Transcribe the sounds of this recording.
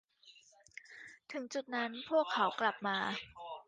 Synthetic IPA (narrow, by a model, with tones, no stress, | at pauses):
t̪ʰɯ˨˩˦ŋt͡ɕu˨˩t̪̚na˦˥npʰu˥˩əkʰːa˩˦wkla˨˩p̚maː˧